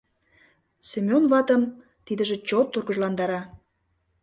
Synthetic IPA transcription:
semʲonβɑt̪əm | t̪id̪ə̆ʒĕt͡ɕot̪ːurɣə̆ʒlɑnd̪ɑɾɑ

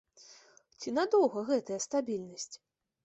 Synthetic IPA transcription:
t͡sʲinad̪ɔwɣɐɣɛt̪ɐjɐst̪abʲilʲnɐsʲt͡sʲ

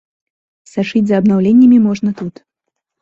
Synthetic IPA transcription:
saʂɨd͡zʲzɐːbnawlʲenʲːɐmʲimɔʐnɐt̪ut̪

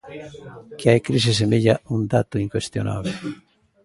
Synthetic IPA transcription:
kɪajkɾis̬ɪs̬emiʎaund̪at̪ʊiŋkwest̪jona̰βle

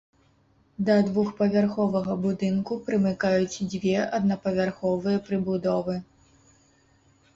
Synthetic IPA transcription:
d̪ɐd̪vuxpɐvʲarxɔvɐɣɐbud̪ɨnkupɾɨmɨkajut͡sʲd͡zʲvʲɛɐd̪̚nɐpɐvʲarxɔvɨjɐpɾɨbud̪ɔvɨ

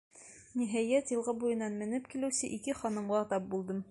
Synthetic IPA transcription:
niɦæjæt̪jɤ̆lˠʁɤbujɤ̆nːɑnmɘ̆nɘp̚kilɘ̆wsɘʔikɘχɒnɤ̆mʁɑt̪ɑp̚bulˠd̪ɤm

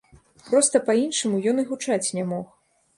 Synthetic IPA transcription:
pɾɔst̪ɐpainʂɨmujɔnɨɣut͡ʂat͡sʲnʲamɔx

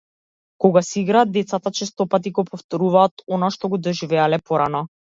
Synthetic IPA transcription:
kɔɡasiɡɾaːd̪ɛt̪sat̪at͡ʃɛst̪ɔpat̪iɡɔpɔft̪ɔɾuvaːt̪ɔnaʃt̪ɔɡɔd̪ɔʒivɛalɛpɔɾanɔ

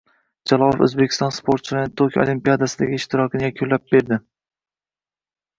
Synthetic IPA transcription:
d͡ʒalˠɒlˠɪfɵ̰zbekʲʰɪ̥st̪ɒnspʰoɾt̪t͡ʃʰɪlaɾnɪt̪ʰokʰʲo̰limpijad̪asɪd̪aɡʲɪɪʃt̪ʰɪɾɒkʰʲɪnɪjakʲʰʊlːap̚b̥e̞ɾd̪ɪ

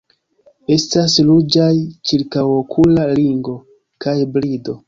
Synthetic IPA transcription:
e̞staslud͡ʒajt͡ʃiɾkawokʰulaliŋɡo̞ | kajbɾido̞

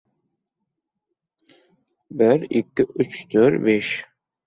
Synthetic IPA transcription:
bɪɾikʲːiʔyt͡ʃt̪ʰøɾbeʃ

